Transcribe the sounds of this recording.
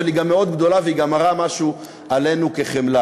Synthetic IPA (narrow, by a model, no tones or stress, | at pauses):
eliɡamːeo̞d̪ɡd̪o̞laveiɡamaʁamaʃu | ale̞nuke̞χemla